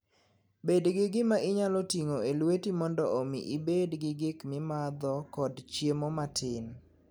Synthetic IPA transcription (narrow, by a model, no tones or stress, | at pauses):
bedɡɪɡɪmaʔɪɲalɔtiŋoelwetimɔndɔʔomḭʔibedɡɪɡɪkmɪmad̪ɔkɔdt͡ʃjemomatʰɪn